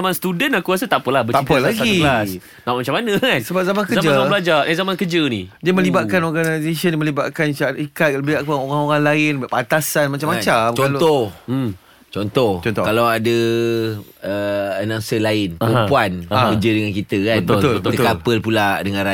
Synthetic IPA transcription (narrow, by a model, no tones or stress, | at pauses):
amanst̪udənakuas̬ət̪aʔpəlahbət̪apəlaɡilas | naʔmat͡ʃamanə̃kansəbap̚zamankəzamd͡ʒabəlad͡ʒaʔazamankəd͡ʒənid͡ʒadimə̃libaʔ̪̚kanɔrɡanajzesəndimə̃liba̰ʔ̪̚kansaikat̪̚ləbiaʔkuaŋoɾaŋoɾaŋlaɪnbaʔpat̪asanmat͡ʃamat͡ʃamt͡ʃɔalot̪ɔ | t͡ʃɔnt̪ɔht͡ʃɔnt̪ɔkalawadə | əənaŋsəlaɪnpumpuanaəkəd͡ʒədəŋankit̪əkabənb̪əlʊlbəb̪ətət̪kapəlpulaʔdəŋãnɾa